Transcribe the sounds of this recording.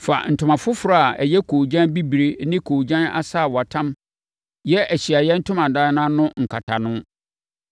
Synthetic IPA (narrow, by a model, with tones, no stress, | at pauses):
fa̰˨n̩˨tʰʊ˨mã˨fʊ˦fɾa˦a˨æ̰˨jɛ˦kʰoː˨d͡ʑã˦nbi˦bɾe˦nɪ̃˦kʰoː˨d͡ʑã˦na̰˦sa˦˨wɔ˨a˨tʰã˦m | jɛ˦ʔæ˨ɕi˨a˨jɛ˦n̩˦tʰʊ̃˦mã˨daː˦nã˦nʊ̃˦ŋ̩˨kʰa˨tʰa˨nʊ̃˦